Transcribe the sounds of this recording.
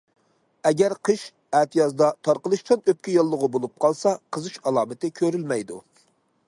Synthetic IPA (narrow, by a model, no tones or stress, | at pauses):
ɛɡʲæɾqʰɨʃ | æt̪ʰɨjɑzd̪ɑt̪ʰɑɾqəlˠɨʃt̪ʰɨnøp̚kʲijɑlˠːəʁʊbolˠup̚qʰɑlˠsɑqʰəzɨʃɑlˠɑːmɪt̪ɪkʲʰøɾylmɛjd̪u